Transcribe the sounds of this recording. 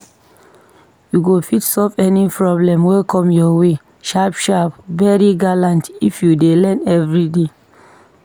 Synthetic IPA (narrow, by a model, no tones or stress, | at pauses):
juɡofitsɔlvɛnipɹɔblɛ̃mwekʰɔ̃mjɔwe | ʃapʃapvɛɹiɡalãntifjudelɛ̃nɛvɹide